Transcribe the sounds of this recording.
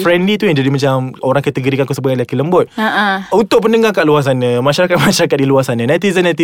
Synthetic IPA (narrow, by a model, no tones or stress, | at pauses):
fɾɛnlit̪ujaŋd͡ʒadimat͡ʃamoɾãŋkɛt̪əɡoɾikankusəbʊadilakiləmbʊt̪̚aunt̪ʊʔ̚pəndəŋakaʔluas̬anə̃mãʃaɾakat̪̚maʃaɾakat̪̚diluasanə̃nat̪izənat̪i